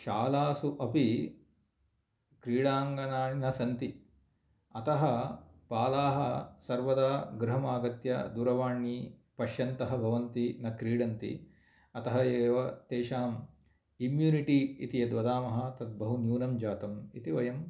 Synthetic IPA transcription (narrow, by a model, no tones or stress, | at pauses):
ʃaːlaːsuʔɐpi | kɾiːɽaːŋɡɐnaːninɐsɐnt̪i | ɐt̪ɐɦɐpaːlaːɦɐsɐɾʋɐd̪aːɡɾɐɦɐmaːɡɐt̪jɐ̰d̪uːɾɐʋaːɳːipɐʃjɐnt̪ɐɦɐbʱɐʋɐnt̪inɐkɾiːɽɐnt̪ḭ | ɐt̪ɐɦɐeːʋɐt̪eːʃaːm | imjuːniʈiḭt̪ijɐd̪ʋɐd̪aːmɐɦɐ̆t̪ɐt̪̚bɐɦunjuːnɐmd͡ʒaːt̪ɐmit̪iʋɐjɐm